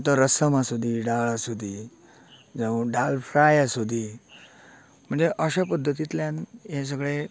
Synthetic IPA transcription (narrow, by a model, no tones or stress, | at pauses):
t̪əɾəsəmasud̪ʱiːɖaɭasud̪ʱiː | d͡zəʋɖalfɾajasud̪ʱiː | m̤əɳd͡zeʔəɕapəd̪ʱːət̪it̪ljãnɦẽs̬əɡɭe